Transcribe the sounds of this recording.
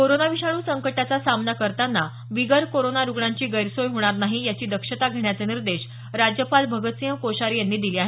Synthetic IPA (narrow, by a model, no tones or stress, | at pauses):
koɾonaʋiɕaɽ̃uːsəŋkəʈat͡sasamnakəɾt̪anːa | ʋiɡəɾkoɾonaɾuɡɭaɲt͡ɕiːɡəjɾsojɦoɽ̃aɾnaɦijat͡ɕiːd̪əkʂət̪aɡʱeɽ̃jat͡seniɾd̪eɕ | ɾad͡ʑjəpalbʱəɡət̪sijəmkoɕaɾijanːiːd̪iliːaɦe